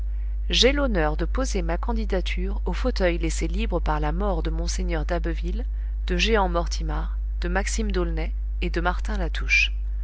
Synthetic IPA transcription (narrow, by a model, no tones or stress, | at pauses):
ʒelonœʁd̪əpozemakɑ̃d̪id̪at̪ʰyʁofot̪œjleselibʁəpaʁlamɔʁd̪əmɔ̃seɲœʁd̪abvil | d̪̥əʒeɑ̃mɔʁt̪ʰimaʁ | d̪̥əmaksimd̪olnɛ | ed̪əmaʁt̪ɛ̃lat̪ʰuʃ